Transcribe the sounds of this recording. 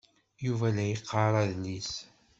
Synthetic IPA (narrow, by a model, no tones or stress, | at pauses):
juvælæjəqːɑɾˤɑðnis